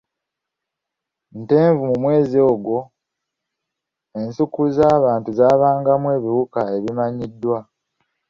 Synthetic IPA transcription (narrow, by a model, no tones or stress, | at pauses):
nte̞ːɱvumumwe̞ːzio̞ːɡwo̞ | e̞nsukuzaːβaːntuzaːβaːŋɡamwe̞ːβiwukae̞βimaɲidːwa